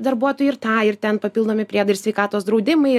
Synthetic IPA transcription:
d̪ɐɾbuɔt̪oːjɪɾt̪ɑːɪɾt̪ʲɛnpɐpʲilˠd̪oːmʲɪpʲɾʲiɛd̪ɐɪɾsʲʋʲɛɪkɑːt̪oːsd̪ɾɐʊd̪ʲɪmɐɪ

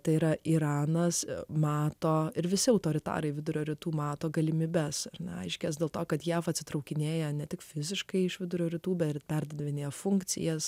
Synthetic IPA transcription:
t̪ɐɪiːɾɐʔiːɾɑːnɐsmɑːt̪oːɪɾʋʲɪsʲɪɐʊt̪oːɾʲɪt̪ɑ̰ːɾɐɪʋʲɪd̪ʊɾʲoːɾʲɪt̪uːmɑːt̪oːɡɐlʲɪmʲiːbʲɛsɐrnʲɛ̰ɐɪʃʲkʲɛːs̬d̪ʲeːlˠt̪oːkɐt̪jæːfɐt̪ʲsʲɪt̪ɾɐʊkʲɪnʲeːjɛnʲɛt̪ʲɪkfʲɪzʲɪʃkɐɪɪʃʋʲɪd̪ʊɾʲoːɾʲɪt̪uːbʲɛt̪pʲærʲɾʲd̪ɐd̪ɐʋʲɪnʲeːjɛfʊŋkt͡ssʲɪ̰jɛs

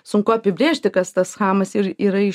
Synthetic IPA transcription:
sʊŋkʊɐpʲɪbʲɾʲeːʃʲt̪ʲɪkɐst̪ɐsxɑːmɐsiɾiːɾɐɪ

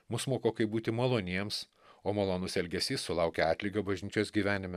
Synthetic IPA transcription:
mʊsmoːkoːkɐɪbuːt̪ʲɪmɐlˠoːnʲiɛms | oːmɐlˠoːnʊsɛlʲɡʲɛsʲiːsːʊlˠɑʊkʲɛɑːt̪ʲlʲiɡɐbɐʒʲnʲiːt͡ʃʲoːsɡʲiːʋʲæːnʲɪmʲɛ

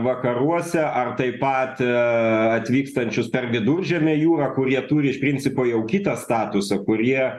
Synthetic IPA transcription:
ʋɐkɐɾuɔsʲɛʔɐrt̪ɐɪpɐt̪ | ɐt̪ʲʋʲiːkst̪ɐnʲt͡ʃʲʊspʲɛrʋʲɪd̪ʊrʲʒʲɛmʲɛjuːɾɐkʊɾʲiɛt̪uːɾʲɪɪʃpʲɾʲɪnʲt͡s̪ʲsʲɪpoːjɛʊkʲit̪ɐst̪ɑːt̪ʊsɐkʊɾʲiɛ

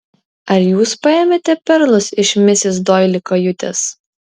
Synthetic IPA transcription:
ɐɾjuːspɐeːmʲeːt̪ʲɛpʲɛɾlˠʊsɪʃʲmʲɪsʲɪsd̪oːjlʲɪkɐjʊt̪ʲḛs

